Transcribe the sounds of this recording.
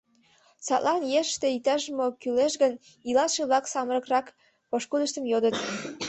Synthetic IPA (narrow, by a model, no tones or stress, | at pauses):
sɑt̪lʔɑnjeʃt̪eit̪æʒəmokyleʃɣən | ilɑʃeβlɑksɑməɾə̆krɑk | poʃkud̪əʃt̪ə̆mjod̪ət̪